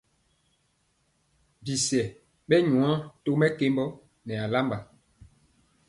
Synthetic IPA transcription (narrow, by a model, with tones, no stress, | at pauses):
bi˨sɛ˨ | ɓɛ˦ɲũ˨ã˦to˦mɛ˦ke˦mbɔ˦ | nɛ˨a˨la˦mba˨